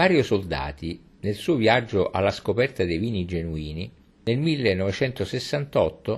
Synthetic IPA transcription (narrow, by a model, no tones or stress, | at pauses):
vaːɾjosold̪a̰ːt̪i | nelsuːoviad͡ʒːoʔa̰lːaskopɛrt̪ad̪ejviːnid͡ʒenuiːni | nelmilːenːɔvet͡ʃɛnt̪osesːant̪ɔt̪ːo